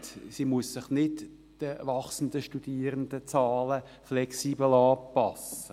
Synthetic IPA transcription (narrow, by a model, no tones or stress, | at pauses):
simuəsːɪχnɪt | d̥əvɑχsənd̪əʃtud̥iːəɾənd̪ət͡sɑːlə | flɛksiːbəl̩ɑːpɑsə